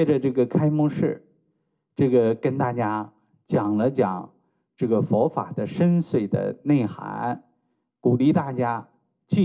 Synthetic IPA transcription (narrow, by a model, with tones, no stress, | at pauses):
t͡ɕɛ˥˧ʈ͡ʂə˧ʈ͡ʂɤ˥˩ɡə˩kʰa˥ɪmɔ˥ŋʂɻ̩˥˩ | ʈ͡ʂɤ˥˩ɡə˩kə˥nt̪a˥˩t͡ɕja˥ | t͡ɕjɑ˨˩ŋlə˦t͡ɕjɑ̰˨˩˦ŋ | ʈ͡ʂɤ˥˩ɡə˩fɔ˧˥fa̰˨˩d̪ə˦ʂə˥nswe˥˩ɪd̪ə̰˩ne˥˩ɪxa̰˧˥˦n | ku˨˩li˥˧t̪a˥˩t͡ɕja˥ | t͡ɕi˥˧